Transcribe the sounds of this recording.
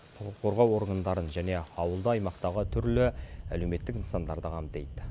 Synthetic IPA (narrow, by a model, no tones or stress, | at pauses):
qʰʊqəqʰːo̞ɾʁɑwo̞ɾɡand̪ɑɾənʒæne̞ɑwəlˠd̪əɑjmɑqt̪ɑʁət̪ʰʏɾlɪæ̰le̞wme̞t̪ːɪkənsɑnd̪ɑɾd̪əʁɑmd̪e̞jd̪ɪ